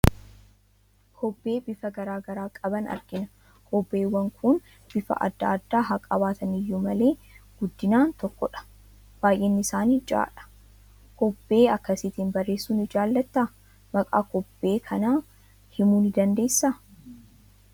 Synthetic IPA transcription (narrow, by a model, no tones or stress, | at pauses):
kʰɔbːe̞ːbɪfɐɡɐɾaːɡɐɾaːkʼɐbɐnɐ̰ɾɡɪnɐ | kʰɔbːe̞ːwːɐŋkʰʊn | b̥ɪfɐ̰ʔɐ̰d̪ːa̰ːd̪ːaːɦɐkʼɐbaːt̪ɐnɪjːʊmɐle̞ːɡ̥ʊd̪ːɪnaːnt̪ɔkːɔᶑɐ̥ | b̥aːjʔeːnːɪɪsaːnid͡ʒa̰ːᶑɐ̥ | kɔbːe̞ːɐkːɐsɪt̪iːnbɐrːe̞ːsːuːnɪd͡ʒaːlːɐt̪ːaː | mɐkʼa̰ːkɔbːe̞ːkʰɐnaː | hɪmuːnɪd̪ɐnd̪e̞ːsːa